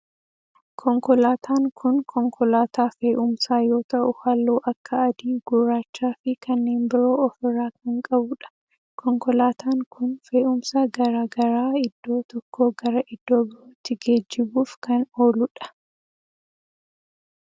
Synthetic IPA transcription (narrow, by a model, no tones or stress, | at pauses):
kʰɔŋkɔlaːt̪ʰaːŋkʰʊnkʰɔŋkʰɔlaːt̪aːfeːʔʊmsaːjo̞ːt̪ɐʔʊhɐlːoːʔɐkʰːɐɐd̪iːɡ̥ʊɾaːt͡ʃːaːfɪkʰɐnːe̞ːnbɪɾo̞ːɔfɪrːaːk̚ɐŋkʼɐbʊᶑɐ̥ | kʰɔŋkɔlaːt̪aːŋkʰʊnfe̞ːʔʊmsɐɡɐɾaːɡɐɾaːɪd̪̥ːo̞ːt̪ɔkʰːoːɡɐɾɐʔɪd̪ːo̞ːbɪɾoːt̪ːɪɡeːd͡ʒːɪbuːfkɐnoːlʊᶑɐ̥